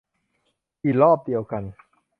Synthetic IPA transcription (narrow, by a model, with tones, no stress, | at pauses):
ʔiː˨˩t̚lɔː˥˩p̚di˧əwka˧n